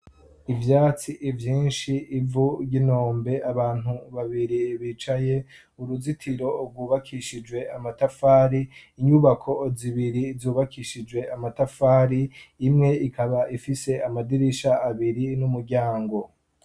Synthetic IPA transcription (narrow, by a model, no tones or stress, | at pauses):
ivjaːt͡siʔivjiːnʃiːvuɟino̞ːmbe̞aβaːn̥huβaβiɾiβit͡ʃaje̞ | uɾuzitʰiɾo̞b̚ɡuːβakʰiʃid͡ʒwe̞amatafaːɾiːɲuβakʰo̞ziβiɾizuːβakʰiʃid͡ʒwe̞amatafaːɾiːmŋe̞ikaβaʔifise̞amadiɾiʃaːβiɾinumuɾɟaːŋɡo̞